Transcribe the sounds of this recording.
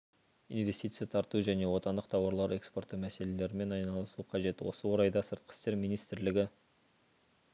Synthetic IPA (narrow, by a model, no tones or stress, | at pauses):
invʲe̞st̪ijt̪sɨjɑt̪ʰɑɾt̪uʒæne̞wo̞t̪ɑnd̪əqt̪ʰɑwɑɾlˠɑɾe̞kspo̞rt̪ːəmæse̞le̞le̞ɾɪme̞nɑjnɑlˠəsuqʰɑʒe̞t̪wo̞səwo̞ɾɑjd̪ɑsəɾt̪̚qʰə̥st̪e̞ɾmijnijst̪ɪɾlɪɡʲɪ